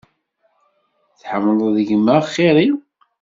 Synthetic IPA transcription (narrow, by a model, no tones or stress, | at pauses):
θħəmːəlˤðəʝmːæχːeɾi